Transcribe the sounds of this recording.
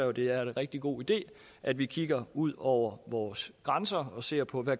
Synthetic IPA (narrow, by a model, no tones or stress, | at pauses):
ɛd̥e̝æɐe̝nʁɛɡ̥̚d̥iɡ̥o̝̰ːid̥e̝̰ː | ʔæd̥ʋikʰiɡ̥ɐuð̞̰ˠɒʊ̰ɐʋɒːsɡ̥ʁansɐɒ̽se̝ɐ̰pʰɒ̽ʋæ